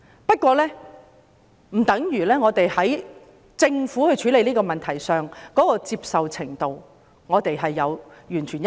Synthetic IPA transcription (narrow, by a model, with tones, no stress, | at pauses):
pɐ˥t̚kʷɔː˧lɛː˥ | m̩˨˩t̪ɐ˨˥ŋjyː˨˩lɛː˥ŋɔː˨˧t̪e˨jhɐ˨˥j | t͡sɪ˧ŋfuː˨˥hɵ˧ɥt͡ʃʰyː˨˥le˨˧liː˥kɔː˧mɐ˨nt̪ʰɐ˨˩jsœː˨ŋkɔː˨˥kɔː˧t͡siː˧p̚sɐ˨wt͡sʰɪ˨˩ŋt̪o˨w | ŋɔː˨˧t̪e˨jɦɐ˨jːɐ˨˧wjyː˨˩nt͡ʃʰyː˨˩nj